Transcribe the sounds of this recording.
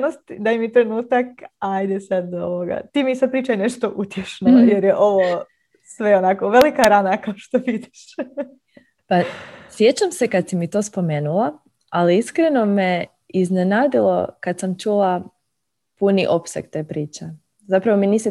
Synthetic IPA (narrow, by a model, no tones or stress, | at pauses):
nost̪d̪ajmit̪ɾe̞nuːt̪akajd̪esad̪oʋoɡa̰t̪iːmisad̪̚pɾiːt͡ʃajeneʃt̪oʔut̪jeʃnojeɾjeʔo̞ʋo | sʋeonakoʋelikaɾanakaoʃt̪oʋid̪iʃ | pasje̞t͡ɕamse̞kad̪simit̪o̞ːspo̞me̞ːnula | aliiskɾe̞no̞me | iznenaːd̪ilo̞̰kad̪samt͡ʃula | puniʔo̞psḛkt̪eːpɾiːt͡ʃe | zapɾaʋo̞miniːsi